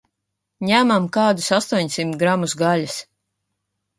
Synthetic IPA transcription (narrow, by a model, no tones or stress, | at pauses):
ɲæmamkaːd̪usast̪uɔɲsimt̪ɡɾamusɡaʎʲas